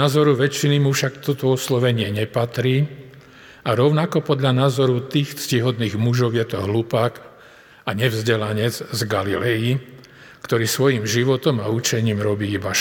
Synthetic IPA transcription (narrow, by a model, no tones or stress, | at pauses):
aːzɔɾuʋɛt͡ʃinimufʃakt̪ɔt̪ɔɔslɔʋɛɲɪɛɲɛpat̪ɾiː | aɾɔʊnakɔpɔd̪ʎanaːzɔɾut̪iːxt͡sciɦɔd̪niːɣmuʒɔʊjɛt̪ɔɦlupaːk | aɲɛvzɟɛlaɲɛd͡zzɡalilɛji | kt̪ɔɾiːsʋɔjimʒiʋɔt̪ɔmaut͡ʃɛɲiːmɾɔbiːibaʃ